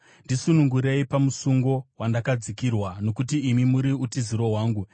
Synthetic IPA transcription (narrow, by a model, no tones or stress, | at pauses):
ndisunuŋɡuɾe̞ipamusuŋɡo̞wandakad͡zikirwano̞kut̬iːmimuɾiutiziɾo̞ɦwaːŋɡu